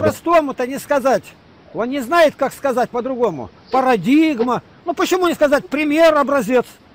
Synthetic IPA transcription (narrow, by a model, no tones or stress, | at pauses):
pɾɐst̪omʊt̪ənʲɪskɐzatʲ | onnʲɪznajɪt̪kakskɐzat̚ʲpəd̪ɾʊɡo̞mʊ̰ | pəɾɐdʲiɡmə | nupət͡ɕɪmunʲɪskɐzat̚ʲpɾʲɪmʲeɾɐbɾɐzʲet̪s